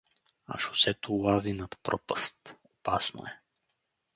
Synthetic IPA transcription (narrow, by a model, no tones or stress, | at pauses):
a̰ʃo̥sɛt̪olazinat̪pɾʔɔpəst̪opasno̰ɛ